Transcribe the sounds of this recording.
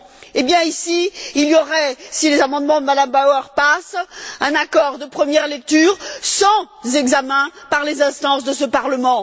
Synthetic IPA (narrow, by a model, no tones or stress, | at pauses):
ebjɛ̃isiːljɔʁɛsilezamɑ̃d̪mɑ̃d̪əmad̪ambawaʁpasɛ̃nakɔʁd̪əpχəmjɛʁlɛk̚t̪yːʁsɑ̃ | zɛɡzamɛ̃paʁlezɛ̃st̪ɑ̃sd̪əsəpaʁləmɑ̃